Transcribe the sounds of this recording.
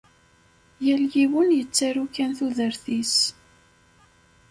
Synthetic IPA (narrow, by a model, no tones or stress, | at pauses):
jæljiwənjət͡sːaɾukːænθuðəɾθis